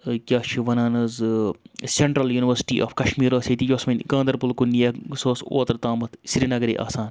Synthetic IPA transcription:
kʲaːt͡ʃʰiʋɐnaːnɐz | sʲeɳʈɾɐljuːniʋɐɾsi̥ʈḭːʔa̰ːfkɐʃmiːɾoːset̪id͡ʒoːsmɐnʲɡɐ̃ːnd̪ɐɾpulkunːijɐsoːso̰ːt̪ɾt̪aːmɐt̪sɾinɐɡɾḭːʔa̰ːsaːn

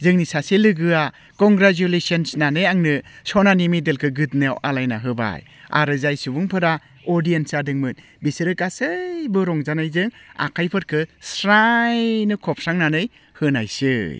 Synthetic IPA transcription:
zɯŋnisaselɯɡɯa | kɔŋɡɾad͡ʒulesɔnsnanɯjaŋnɯsɔnanimidelkʰɯɡɯt̚nɯawʔalajnaɦɯba̰j | a̰ɾɯzajsubuŋpʰɯɾa | ɔɾdijensadɯŋmɯn | bisɯɾɯkasɯjbɯɾɔŋzanajzɯŋa̰kʰajpʰɯɾkʰɯsɾajnɯkʰɔp̚saŋnanɯj | hɯnajsɯj

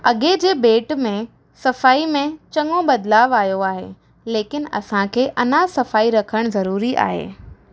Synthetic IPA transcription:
ɐɠed͡ʑeːbeːʈmẽ | sɐfaːimẽt͡ɕɐŋobɐd̪laːʋaːjoaːɦḛː | leːkɪn̆ɐ̰sãkʰeːʔɐnasɐfaːiɾɐkʰəɽ̃zɐɾuːɾiʔa̰ːɦḛː

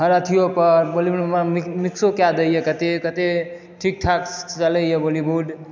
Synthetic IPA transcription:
ɦəɾət̪ʰijopəɾbolibuɖmamiksokjad̪əijekət̪ekət̪e | ʈʰik̚ʈʰakt͡ʃələjebolibuɖ

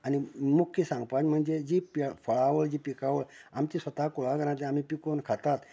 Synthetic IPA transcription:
animukʰjəsãŋɡpad͡ʑm̤əɳd͡zed͡ʑiːpifəɭaʋəɭd͡ʑiːpikaʋəɭamt͡ɕisʋət̪akuɭaɡəɾãt̪eam̤ipikonkʰat̪at̪

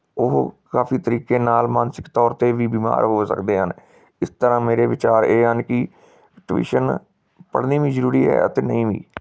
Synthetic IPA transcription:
ʊɦkaːfʰiːt̪əɾiːkeːnaːlmaːnsɪ̥kt̪ɔːɾt̪eːʋiːbiːma̰ːɾɦoːsə̰kd̪eːɦən | ɪst̪əɾãːmeːɾeːʋɪt͡ʃaːɾeːɦənkɪ | ʈʋḭːʃən | pə̰ɽniːʋĩːzəɾuːɾiːɦɛ̰ːət̪eːnə̰ĩːʋḭː

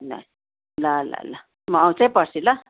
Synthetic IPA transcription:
na̰j | lala̰la | maːwt͡sepasila

